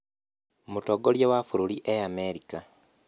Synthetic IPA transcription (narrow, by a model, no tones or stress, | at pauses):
mutoɡoljewafuɾuliʔeameɾika